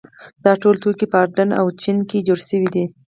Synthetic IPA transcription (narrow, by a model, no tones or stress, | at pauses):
d̪̥ɑʈolt̪okipəɑɾɖəna̰wt͡ʃinked͡ʒoɽʃəwid̪i